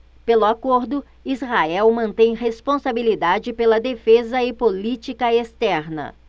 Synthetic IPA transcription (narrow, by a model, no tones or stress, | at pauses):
pelʊakoɾd̪ʊ | izhaɛwmɐ̃nt̪ẽj̃ɦespõsabilid̪ad͡ʒɪpelɐd̪efezɐɪpolit͡ʃikɐest̪ɛɾnɐ̰